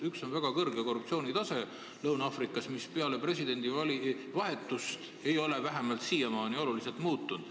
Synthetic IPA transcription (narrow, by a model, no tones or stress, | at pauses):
ykso̞nvæɡ̥ɑkɤrɡeko̞rːup̚tsio̞ːnit̪ɑse̞ | lɤwnɑfrikːˑɑsmispeɑle̞pre̞sid̪̥e̞nd̪̥iɑli | vɑɦe̞t̪ːˑust̪ | e̞jo̞le̞væɦe̞mɑlt̪siːemɑːnio̞lulise̞lt̪muːt̪ːˑund̪̥